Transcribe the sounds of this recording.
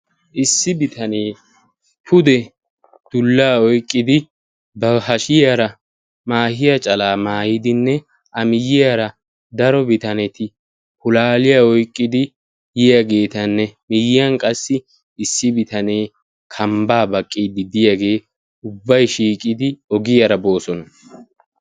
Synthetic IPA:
ʔɪsːɪbɪt̪ʰɐneː | pʰʊd̪ɛ | d̪̥ʊlːaːɔjkʼːɪd̪ɪ | bɐhɐʃɪjaɾɐ | maːhɪjɐt͡ʃʼɐlaːmaːjɪd̪ɪnːɛ | ʔɐmɪjɪjaɾɐ | d̪ɐɾɔbɪt̪ɐnɛt̪ɪ | hʊlaːlɪjaɔjkʼːɪd̪ɪ | jɪjaɡe̞ːt̪ɐnːɛmɪjɪjɐnkʼɐsːɪ | ɪsːɪbɪt̪ɐne̞ː | kʰɐmbaːbɐkʼːiːd̪ɪd̪ɪjaɡe̞ː | ʊbːɐjʃiːkʼɪd̪ɪɔɡɪjaɾɐbo̞ːsɔnɐ

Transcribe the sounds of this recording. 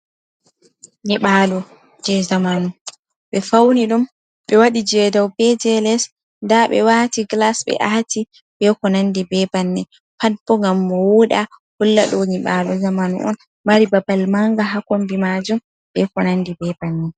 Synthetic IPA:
ɲɛɓalɔ | d͡ʒɛzamanu | ɓɛfawniɗum | ɓɛwaɗid͡ʒɛdawbɛd͡ʒɛlɛs | ndaɓɛ̰waːtiɡlasɓɛ̰ʔati | bɛkɔnandibɛbanːɛ | pad̚bɔŋɡambɔwuɗahulːa̰ɗɔɲiɓalɔzamanṵʔɔ̰n | maɾibabalmaŋɡaɦakombimad͡ʒum | bɛkɔnandibɛbanːɛ

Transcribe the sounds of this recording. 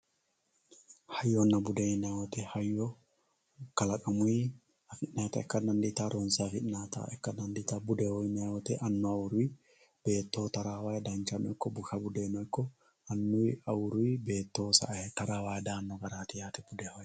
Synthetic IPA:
hɐjːɔnɐbʊd̪enawɔt̪ɛhajːɔ | kɐlɐkʼɐmʊi | ɐfɪʔnaːt̪ɐ̰ɛkːɐnɐnd̪ɪt̪aɾɔnsafɪʔnaːt̪a̰ɛ̰kːɐnɐnd̪ɪt̪abʊdɛhɔjnawɔt̪ɛʔɐnːɔɐwʊɾʊi | b̥eːt̪ːoːt̪ɐɾaːwaːjɛd̪ant͡ʃanɔɛkːɔbʊkabʊd̪eːnɔɛkːɔ | ɐnːʊɐwʊɾʊibeːt̪ːoːsa̰ʔt̪ɐɾaːwajɛd̪aːnːɔɡɐɾaːt̪ɪjaːt̪ɛbʊd̪ɛhɔj

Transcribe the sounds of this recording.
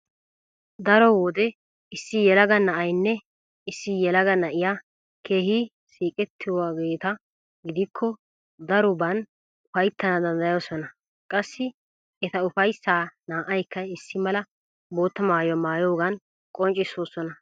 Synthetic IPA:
d̪ɐɾɔwɔd̪ɛ | ɪsːɪjɛlɐɡɐnɐʔɐjnːɛ | ɪsːɪjɛlɐɡɐnɐʔɪja | kʰe̞ːhi | siːkʼɛt̪ʰːɪaɡe̞ːt̪ɐ | ɡɪd̪ɪkʰːɔ | d̪ɐɾɔbɐn | ʊfɐjt̪ːɐnɐd̪ɐnd̪ɐjo̞ːsɔnɐ | kʼɐsːɪ | ɛt̪ɐʊfɐjsːaːnaːʔɐjkːɐɪsːɪmɐlɐ | bo̞ːt̪ːɐmaːjwmaːjo̞ːɡɐn | kʼɔnt͡ʃʼːɪsoːsɔnɐ

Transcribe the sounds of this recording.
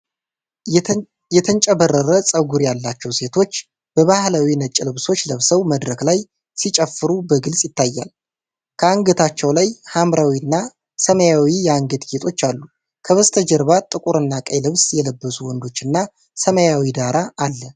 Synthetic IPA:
jɛt̪ʰənt͡ʃʼəβərːəɾəsʼəɡuɾjalːat͡ʃːɛwse̞t̪ʰo̞t͡ʃː | b̥əβahlawinət͡ʃʼɪlɨβso̞t͡ʃːləβsəwməd̪ɾəklaj | sit͡ʃʼəfːɨɾubəɡɨlsʼjɪt̪ːajːa̰l | kʰəaŋɡət̪ʰat͡ʃːɛwlajhamɾawiɨnːa | səməjawijɛaŋɡəd̪ɡet̪ʰʼo̞t͡ʃːalːu | kʰəβəst̪ʰəd͡ʒəɾβat̪ʼːɨkʼuɾɨnːakʼəjlɨβsjɛləbːəsuwɔnd̪o̞t͡ʃːɨnːa | səməjawid̪aɾaʔːlːə

